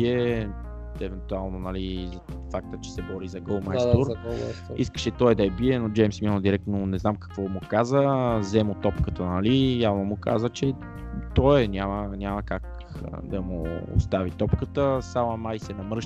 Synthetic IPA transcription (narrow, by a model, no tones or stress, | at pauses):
ɛ | ɛvɛnt̪ualˠnonɐlizfak̚t̪ət͡ʃɛ̥sɛbɔɾizɐɡəlˠmast̪uɾ̰iskə̥ʃɛt̪ɔɛd̪ɐɛbiɛnod͡ʒɛjmsmʲɔnəd̪iɾɛkt̪nonɛznamkɐ̥kvɔmukazəzɛmʊt̪ɔpkət̪ənɐlijavnomʊka̰zət͡ʃɛ | t̪ɔɛnʲamənʲaməkak | d̪ɐmuʊ̰st̪avit̪ɔpkət̪əsalɐmajsɛnɐmɾɤʃ